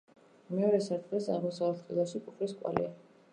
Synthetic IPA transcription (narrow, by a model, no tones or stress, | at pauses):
mɛɔɾɛsaɾt̪ʼʁɛsa̰ʁmɔsavat̪ʰχʼilˠaʃikʰʼuχʰliskʼwa̰lḭa